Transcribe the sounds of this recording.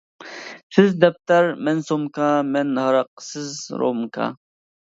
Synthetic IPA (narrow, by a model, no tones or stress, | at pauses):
sɨzd̪ɐp̚t̪ɐɾmensomkamenhɐɾɐq̚sɨzɾo̰mkʰa̰